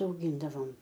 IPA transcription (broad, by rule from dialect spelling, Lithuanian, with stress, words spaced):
ɐʊˈɡʲiːndɐʋoːm